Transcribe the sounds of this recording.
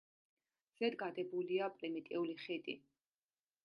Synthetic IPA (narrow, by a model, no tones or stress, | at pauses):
z̥ɛd̪ɡad̪ɛbuliapʼɾimit̪ʼɛuliχid̪ʼḭ